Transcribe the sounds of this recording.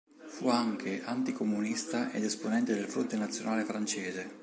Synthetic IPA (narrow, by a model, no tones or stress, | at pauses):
fuaŋk̟ʰeʔant̪ikomunist̪aʔed̪esponɛnt̪ed̪elfɾont̪enat̪sjonaːlefɾant͡ʃeːze